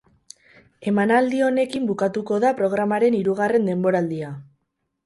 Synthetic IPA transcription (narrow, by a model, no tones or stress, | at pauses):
e̞manald̪io̞ne̞kimbukat̪uko̞ðapɾo̞ɣ̞ɾamaɾe̞niɾuɣare̞nd̪e̞mbo̞ɾald̪ia